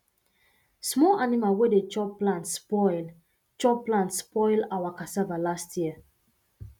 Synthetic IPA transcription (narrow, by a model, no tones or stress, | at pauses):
smɔlanimalwedet͡ʃɔpːlãntspɔl | t͡ʃɔpːlãntspɔɪlawakasavalastʰjiə